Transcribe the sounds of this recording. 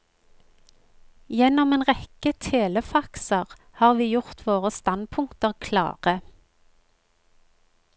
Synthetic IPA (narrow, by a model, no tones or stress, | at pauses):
jɛnɔmeːnʁɛkət̪ʰeːləfɑksəʁ | hɑːʁʋiːjʊʁt̪ʰʋoːʁəst̪ɑnpʰʊŋkt̪əʁkʰlɑ̰ːʁə